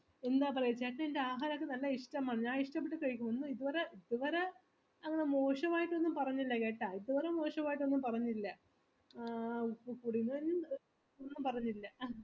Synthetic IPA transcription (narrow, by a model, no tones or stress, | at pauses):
e̞nd̪aːpɐrɐjut͡ɕːaʈːeindeaːɦaːɾɐokːenɐlːɐiʂʈɐmaːɳiɲːaːiʂʈɐmpːeʈːɨkɐɻik̬ʲːumonːuiðuʋɐɾeiðuʋɐɾe | ɐŋːɐɳemo̞ːʂɐʋaːjiʈːo̞nːumpɐrɐɲːilːɐke̞ːʈːaːiðuʋɐɾemo̞ːʂɐmaːjiʈ̬ːo̞nːumpɐrɐɲːilːɐ | pkuɽinːunː | onːumpɐrɐɲːilːɐ